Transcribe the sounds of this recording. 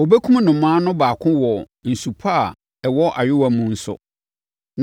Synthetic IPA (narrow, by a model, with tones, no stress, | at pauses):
o˨be˦kʰũ˦m˦nʊ̃˨m̩˨mãː˦nʊ̃˦baː˨kʰʊ̃˦wɔ˨ | n̩˨su˨pʰa˦˨ | ɛ˨wɔ˦ʔa˨ɥɪ˦wa˨mũ˨n̩˦sʊ̰˦ | n